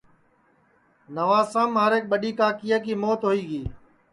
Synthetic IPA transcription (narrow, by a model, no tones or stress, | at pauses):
nəʋaːsãːmaːɾeːk̚ɓəɗiːkãːkijaːkiːmoːt̪ɦoːiːɡiː